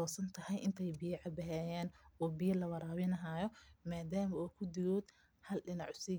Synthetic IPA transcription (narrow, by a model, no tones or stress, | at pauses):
ɔːsɐnt̪ʰɐhɐjʔɪnt̪ʰɛjbɪjɐʕɑbɐɦɛːjɛːnɔːbɪjɐlɐwɐɾaːβɪnɐɦaːjɔmaːd̪aːmɐɔːkʰʊd̪ɪɣɔːd̪ | hɐlɗɪnɑʕsi